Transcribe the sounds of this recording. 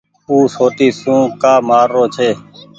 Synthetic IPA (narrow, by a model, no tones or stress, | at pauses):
uːsoːt̪iːsũːkaːmaːɾːoːt͡ʃʰeː